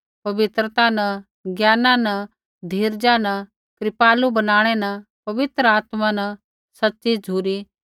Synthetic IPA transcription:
pɐʋɪt̪ɾət̪anɐ | ɡjaːnãnɐ | d̪ʱiːɾd͡ʒanɐ | kɾɪpaːlubɐnaːɽ̃ɛnɐ | pɐʋɪt̪ɾəaːt̪mãnɐ | sɐtːʃid͡ʒʱuːɾi

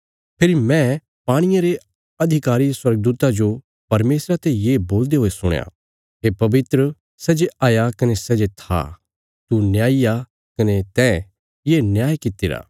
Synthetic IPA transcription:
pʰɪɾimɛ̃ | paːɽ̃ɪjaɾe | ɐd̪ʱɪkaːɾiswɐɾɡ̚d̪uːt̪ad͡ʒo | pɐɾmeːsɾat̪ejeːboːld̪eɦoːesʊ̰ɽ̰̃ja̰ | ɦepɐbɪt̪ɾə | sɛːd͡ʒeʔaːjakɐnesɛd͡ʒet̪ʰa̰ | t̪unjaːija | kɐnet̪ɛ̃ | jeːnjaːjkɪt̪ːɪɾa̰ː

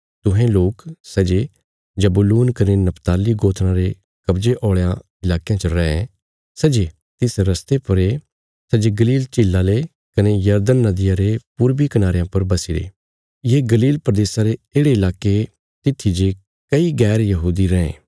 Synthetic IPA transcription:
t̪ʊ̃ɦẽloːksɛd͡ʒe | d͡ʒɐbuluːnkɐnenɐpʰt̪aːliɡoːt̪ʰnãɾe | kɐbd͡ʒeʔɔːɭejã | ɪlaːkijãt͡ʃəɾɛ̃ːẽ | sɛd͡ʒe | t̪ɪsɾɐst̪epɐɾe | sɛd͡ʒeɡɐliːlt͡ʃilːale | kɐnejɐɾd̪ənːɐd̪ɪjaɾepuɾbikɐnaːɾejãpɐɾbɐsiɽḛː | jeɡɐliːlpɾəd̪eːsaɾeeːɽeɪlaːke | t̪ɪt̪ʰːid͡ʒe | kɐiɡɛːɾjɐɦuːd̪iɾɛ̃ːḛ̃ː

